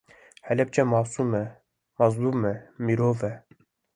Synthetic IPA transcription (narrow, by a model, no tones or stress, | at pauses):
hɛlɛp̚t͡ʃɛmɑːsumɛ | mɑzlumɛmiɾoːvɛ